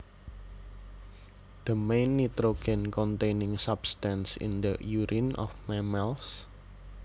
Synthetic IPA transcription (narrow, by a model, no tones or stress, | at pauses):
d̪̥əmejnːit̪ɾoɡ̥ɛnkɔnt̪ejnɪŋsab̥st̪ansɪ̰nd̪əjuɾʔinʔɔ̰fmɛmɛls